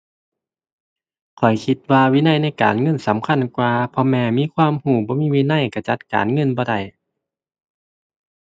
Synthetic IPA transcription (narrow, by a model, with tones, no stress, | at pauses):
kʰɔ˨˩jkʰi˧t̪̚waː˧wiː˧˥˨na˧˥˨jna˧˥˨jka̰ː˨˩nŋɤ˧˥˨nsa˨˦mkʰa˧˥˨nkwaː˧pʰɔ˧mɛː˧˩miː˧˥˨kʰwaː˧˥˨mhuː˧˩bɔː˧˦miː˧˥˨wiː˧˥˨na˧˥˨jka˧˩t͡ɕa˧˦t̪̚ka̰ː˨nŋɤ˧˥˨nbɔː˧˦da˧˩j